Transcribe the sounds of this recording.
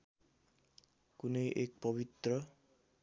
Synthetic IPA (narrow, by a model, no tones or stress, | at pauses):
kunejʔek̚pɔbit̪rʌ